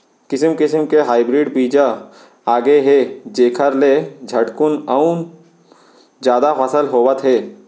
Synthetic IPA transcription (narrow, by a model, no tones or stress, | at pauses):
kɪsəmkɪsəmkeɦaːɪbɾiɖbiːd͡ʒa | aːɡeɦeːd͡ʒeːkʰəɾled͡ʒʱɐʈkʊnaʊn | d͡ʒjaːd̪afɐsəlɦoːʋət̪ɦɛː